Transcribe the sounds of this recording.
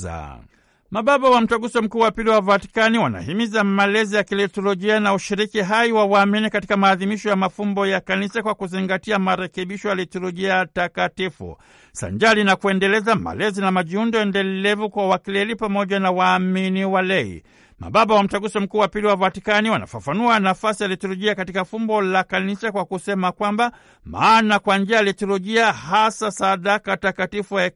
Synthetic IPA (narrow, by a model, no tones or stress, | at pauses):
a̰ | maɓaɓawam̩taɡusɔm̩kuːwapiliwavati̥kaniwana̰himizamalɛzijakilɛtɔlɔʄianauʃiɾikiɦaiwawaːminikatikamaːðimiʃɔjamafumbɔjakanisakwakuziŋɡatiamaɾɛkɛɓiʃɔjalɛtɔlɔʄiajtakatifṵ | sa̰ɲd͡ʒalinakuɛndɛlɛzama̰lɛzinamaʄiundɔɛndɛlɛvukwawakilɛlipamɔʄanawaːminiwalɛḭ | ma̰ɓaɓawam̩taɡusim̩kuːwapiliwavatikaniwana̰fafanuanafasijalitɔlɔʄiakatikafumbɔlakanisakwakusɛmakwamba | ma̰ːnakwand͡ʒiajalitɔlɔʄiahasasaðakatakatifua